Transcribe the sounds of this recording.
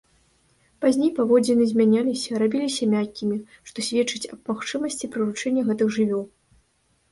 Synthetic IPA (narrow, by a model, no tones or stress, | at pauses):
pazʲnʲejpavɔd͡zʲɛnɨzʲmʲanʲalʲisʲɐɾabʲilʲisʲɐmʲakʲːimʲi | ʂt̪ɔsʲvʲɛt͡ʂːɨt͡sʲɐb̚maxt͡ʂɨmɐsʲt͡sʲipɾɨɾut͡ʂɛnʲːɐɣɛt̪ɨxʐɨvʲɔw